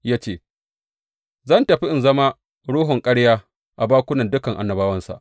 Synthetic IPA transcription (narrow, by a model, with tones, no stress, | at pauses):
jaː˦t͡ʃeː˦˨ | zɐ˦˨ntɐ˨ɸi˦ʔɪ˨nzɐ˦ma˦ | ɽuː˦ɦʊ˨ŋkʼɐ˦ɽjaː˦ | ʔa˨baː˦kʷʊ˦nɐ˨ndʊ˦kɐ˨ŋʔa̰˨nːɐ˨baː˦wɐ˦nsa̰˨ʔ